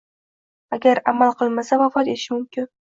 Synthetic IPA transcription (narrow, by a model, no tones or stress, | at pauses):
aɡʲaɾamalˠqʰɨlˠmasavafɒt̪e̞t̪ɪʃɪmʊmkʲɪn